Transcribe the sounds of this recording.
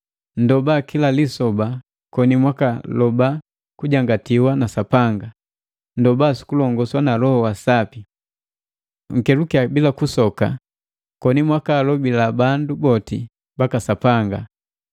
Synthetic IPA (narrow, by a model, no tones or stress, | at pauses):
n̩dɔbakilalisɔba | kɔnimwakalɔba | kuɟaŋɡatiwanasapaŋɡa | ndɔbasi̥kulɔŋɡɔswanalɔhɔwasapi | ŋ̩kɛlukiabilakusɔka | kɔnimwakalɔbilabandubɔti | bakasapaŋɡa